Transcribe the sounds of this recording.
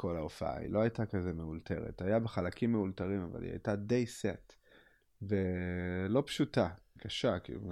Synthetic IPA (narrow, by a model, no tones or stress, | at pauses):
kʰo̞laofaa̰ḭlo̞ajtakazemeultʰe̞̰ʁḛtajabeχalakʰimːeultaʁimava̰lḭa̰jtade̞jset | velo̞pʃutakʰaʃakḭlu